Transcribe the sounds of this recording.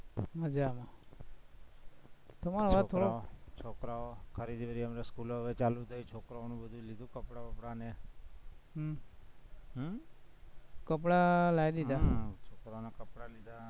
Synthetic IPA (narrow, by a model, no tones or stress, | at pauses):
ɦəd͡ʒama | t̪əmaɾoʋat̪ʰːoɽoot͡ʃʰokɾaokʰəɾid̪ibəɾiəmɾeskuloɦʋet͡ʃalut̪ʰəjit͡ʃʰokɾaonũbəd̪ʱulid̪ʱũkəpɽakəpɽane | ɦ | ɦ | kəp̬ɽalaid̪id̪at͡ʃʰokɾaonakəpɽalid̪a